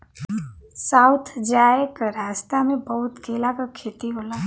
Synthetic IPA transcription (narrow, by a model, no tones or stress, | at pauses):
saʊt̪ʰd͡ʒaːekaɾaːst̪amẽbəɦʊt̪keːlakakʰeːt̪iɦoːla